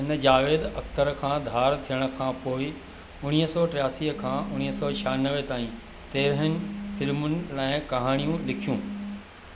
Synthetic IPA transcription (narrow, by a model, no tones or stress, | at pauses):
ɦɪnəd͡ʑaːʋeːd̪ɐkt̪əɾkʰãːd̪ʱaːɾt̪ʰijəɽ̃ə̆kʰãːpoːɪ | ʊɽ̃iːɦəsɔːʈɾɪjaːsiɦəkʰãːʔʊɽ̃iɦəsɔːt͡ɕʰaːnəʋet̪aːĩ | t̪eːɾɦənɪ̆fɪlmʊnɪ̆laːɪ̃kɐɦaːɽ̃ijũlɪkʰijũː